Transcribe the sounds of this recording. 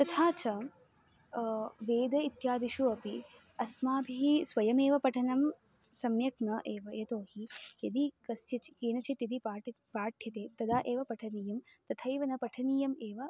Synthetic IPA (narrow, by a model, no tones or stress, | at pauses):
t̪ɐt̪ʰaːt͡ʃɐ | ʋeːd̪ɐit̪jaːd̪iʃuɐpi | ɐsmaːbʱiɦisʋɐjɐmeːʋɐpɐʈʰɐnɐm | sɐmjɐknɐʔeːʋɐjet̪oːhijɐd̪ikɐsjɐt͡ʃi̥keːnɐt͡ʃit̪jɐd̪ipaːʈ | paːʈʰjɐt̪eːt̪ɐd̪aːʔeːʋɐpɐʈʰɐniːjɐmt̪ɐt̪ʰɐjʋɐnɐpɐʈʰɐniːjɐmeːʋɐ